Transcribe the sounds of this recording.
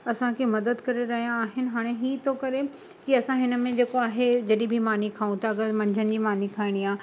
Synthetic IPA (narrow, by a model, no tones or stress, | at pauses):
ɐsãkʰemɐd̪əd̪kɐɾeɾɐɦijãːɦɪnɪ̆ɦaːɽ̃eɦiːt̪ʰokɐɾe | kiɐsãɦɪnə̆mẽd͡ʑeːkoaːɦed͡ʑɐɗĩbʱimaːnikʰaːũt̪aɡəmɐ̃ɲd͡ʑʱənɪ̆d͡ʑiːmaːnikʰaːɪɽ̃iaː